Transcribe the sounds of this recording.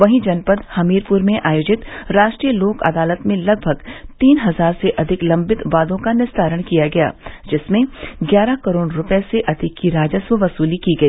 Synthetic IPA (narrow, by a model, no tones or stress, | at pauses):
ʋɐɦĩd͡ʒɐnpəd̪hɐmiːɾpʊɾmẽʔaːjoːd͡ʒɪt̪ɾaːʃʈɾijəloːkɐ̰d̪aːlət̪mẽlɐɡ̚bʱəɡt̪iːnɦɐzaːɾseʔɐd̪ʱɪklɐ̃mbɪt̪ʋaːd̪õkanɪsd̪ʱaːɾəɽ̃kijaɡɐja̰ːd͡ʒɪsmẽɡjaːɾakɐɾoːɽɾʊpeseʔɐd̪ʱɪkːiɾaːd͡ʒəswəʋɐsuːlikiɡɐiː